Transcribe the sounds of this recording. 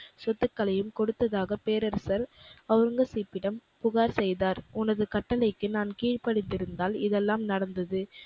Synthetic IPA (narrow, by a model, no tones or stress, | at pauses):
sɔt̪ːɯkːɐlɐjɯmkɔɽɯt̪ːɐðaːɣɐpeːɾɐɾsɐɾɐɾɯŋɡɐsiːpːɪɽɐmpʊɣaːɾsɛjðaːɾʊnɐðɯkɐʈːɐlɐɪkːɯnaːnkiːɻpɐɽɪt̪ːɪɾɯnd̪aːlɪðɛlːaːmnɐɽɐnd̪ɐðɯ